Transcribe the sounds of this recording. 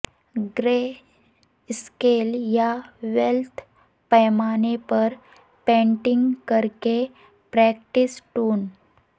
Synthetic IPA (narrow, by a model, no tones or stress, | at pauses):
ɡɾe | skeljaʋelt̪ʰ | pəjmanepəɾ | pɛ̃ɳʈiŋɡkəɾke | pɾɛk̚ʈisʈuːn